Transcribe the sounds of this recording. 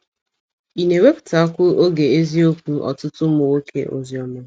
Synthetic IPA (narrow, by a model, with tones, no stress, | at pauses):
i˨ne˨we˦pʊ̥˨ta˨a˦kʷʊ˦ʔo˦ɡe˨e˦zi˦o˦kʷu˦ʔɔ̰˨tʊ˦tʊ˦m˦ʊ˨wo˦kʰḛ˨ʔo̰˨zjɔ˨me˦˨˦